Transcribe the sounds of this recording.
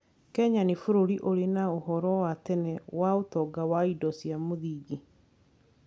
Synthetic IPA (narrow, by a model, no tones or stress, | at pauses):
kɛɲanefoɾoɾiʔoɾenaohɔɾɔwatɛnɛwaotɔɡawaidɔsjamoðiːɡi